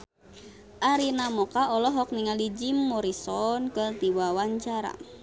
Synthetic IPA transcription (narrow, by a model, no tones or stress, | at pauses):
ʔaɾinamɔkaʔɔlɔɦɔk̚niŋalid͡ʒimːɔɾisɔnkərt̪iwawaɲt͡ʃaɾa̰